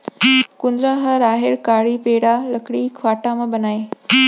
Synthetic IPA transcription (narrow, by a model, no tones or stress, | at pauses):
kʊnd̪ɾaɦɐɾaːɦɪɾkaːɽipeːɽalɐkɽikʰʋaːʈamãbɐnaːe